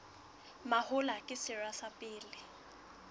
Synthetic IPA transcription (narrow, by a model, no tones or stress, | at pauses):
mahʊlakʼɪsɪrasapʼɪːlɪ